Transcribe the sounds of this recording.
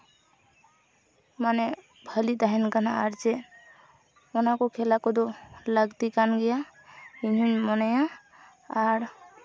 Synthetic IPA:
manɛ | bʱəlit̪aɦɛnkanaːɾd͡ʒɛ | ɔnakɔkʰɛlakɔd̪ɔləɡt̪ikanɡɛja | inunmɔnajaː | ɾ

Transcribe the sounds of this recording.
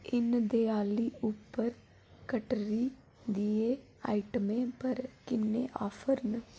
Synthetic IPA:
ɪnd̪eːaːliːʊpːəɾ | kəʈɾiː | d̪ieː | a̰ːiʈəmẽːpəɾkɪnːḛ̃ːʔa̰ːfʰəɾnə

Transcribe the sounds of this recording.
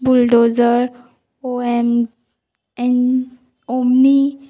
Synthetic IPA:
bulɖozəɾ | oɛm | ɛn | omni

